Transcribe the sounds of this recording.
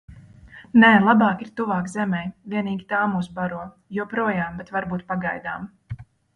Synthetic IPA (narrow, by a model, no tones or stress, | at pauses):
nɛːlˠabɑːkiɾt̪uvɑːkzɛmɛjvʲiɛniːɡʲit̪aːmuːsbaɾuɔ | juɔpɾuɔjaːmbɛt̪vaɾbuːt̪paɡajd̪a̰ːm